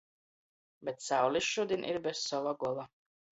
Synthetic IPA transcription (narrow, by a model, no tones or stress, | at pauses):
bet̪̚sawliʃʃud̪ʲinʲʔḭɾbez̥sɔvaɡɔɔlˠa